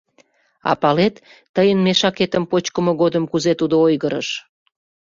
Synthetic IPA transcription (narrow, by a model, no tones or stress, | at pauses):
ɑ̰pɑlet̪ː | əjənmeʃɑket̪əmpot͡ɕkəməɣod̪əmkuzet̪ud̪oojɣəɾə̰ʃ